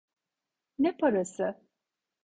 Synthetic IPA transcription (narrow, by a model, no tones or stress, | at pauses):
nɛpʰaɾasɯ